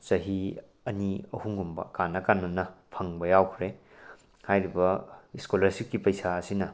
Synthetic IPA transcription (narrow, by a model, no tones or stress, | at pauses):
t͡ʃɐɦi | ɐniɐhuŋɡumbɐ̰kanːɐkanːonɐpʰɐŋbɐjawkʰɾe | hajɾibɐiskolɐɾsikːipɐjsaɐsinɐ